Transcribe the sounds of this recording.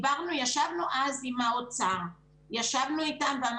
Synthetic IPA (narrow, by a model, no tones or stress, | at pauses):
vaʁnujaʃavnuʔazimaot͡saʁa | jaʃavnuitambam